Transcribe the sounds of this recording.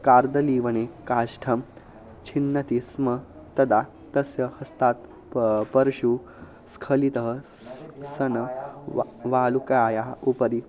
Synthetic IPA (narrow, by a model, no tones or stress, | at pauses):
kaːɾd̪ɐliːʋɐnekaːʃʈʰɐm | t͡ʃʰinːɐt̪ismɐ | t̪ɐd̪aː | t̪ɐsjɐhɐst̪aːt̪ | pɐɾʃu | skʰɐlit̪ɐɦɐ | sɐnɐ | ʋaːlukɐaːjaːupɐɾi